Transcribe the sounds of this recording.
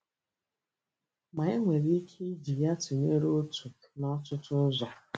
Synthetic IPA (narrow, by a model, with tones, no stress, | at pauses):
ma˨e˦ŋʷe˨ɾi˦kʰe˦d͡ʒi˨ja˦tu˨ɲe˦ɾo˦tu˨ | nɔ˦tʊ˦tʊ˦zɔ˨